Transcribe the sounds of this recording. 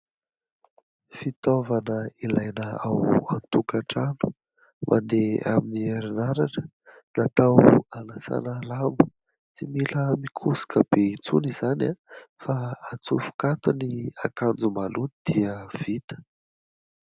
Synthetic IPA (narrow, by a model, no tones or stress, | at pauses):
fit̪ovanəilajnəawant̪ukaʈ͡ʂanu̥ | mʔa̰nd̪ea̰minieɾinaɾaʈ͡ʂə̥ | nat̪awanasa̰nəlambu̥ | t͡similəmikʰusi̥kəb̥eit͡sunizanafaːt͡sufu̥kat̪unia̰kand͡zumaluid̪̥iəv̥it̪ə̥